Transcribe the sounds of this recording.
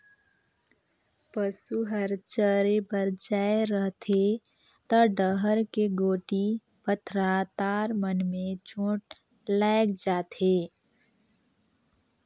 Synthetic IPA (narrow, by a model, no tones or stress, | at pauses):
pəsuɦəɾt͡ʃəɾepəɾd͡ʒaːeɾəɦt̪ʰe | t̪əɖəɦəɾkeɡoːʈi | pət̪ʰɾat̪aːɾmənmẽt͡ʃõːʈ | laːɪkd͡ʒaːt̪ʰeː